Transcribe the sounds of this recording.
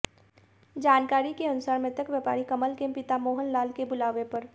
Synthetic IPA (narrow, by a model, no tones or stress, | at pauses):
d͡ʒaːnkaːɾikeɐnʊsaːɾmẽt̪əkʋjəpaːɾikɐməlkẽmpɪt̪amoːɦənlaːlkebʊlaːʋepɐɾ